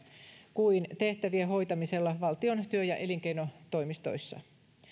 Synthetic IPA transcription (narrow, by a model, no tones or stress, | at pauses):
kuint̪e̞ht̪æʋieɦo̞jt̪ɑmise̞lːɑʋɑlt̪io̞nt̪yøjɑʔe̞liŋke̞jno̞t̪o̞jmist̪o̞̰jsːɑ̰